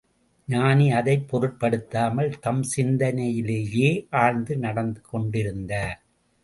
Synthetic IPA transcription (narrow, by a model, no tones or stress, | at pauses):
ɲaːniɐðɐɪpːɔɾɯʈ̚pɐɽɯt̪ːaːmɐlt̪ɐmsɪnd̪ɐnɐjɪleːjeːʔaːɻnd̪ɯnɐɽɐnd̪ɯkɔɳɖɪɾɯnd̪aː